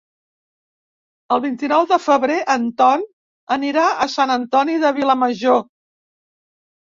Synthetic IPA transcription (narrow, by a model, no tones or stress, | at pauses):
əlˠβint̪inɔwðəfəβɾeʔənt̪ɔn | əniɾaəsanənt̪ɔniðəβiləməʒo